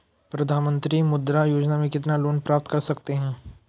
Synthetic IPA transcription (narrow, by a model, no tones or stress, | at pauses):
pɾɐd̪ʱaːnmə̃nt̪ɾimʊd̪ɾajoːd͡ʒnamẽkɪt̪naloːnpɾaːp̚t̪kɐɾsɐkt̪eɦɛ̃ː